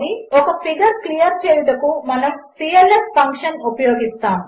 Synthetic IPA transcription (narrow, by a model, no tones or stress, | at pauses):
niokɐpʰiɡɐɾklijɐɾt͡ʃeːlt̪ɐkumɐnɐmsijelespɐŋkʂɐnupɐjoːɡist̪aː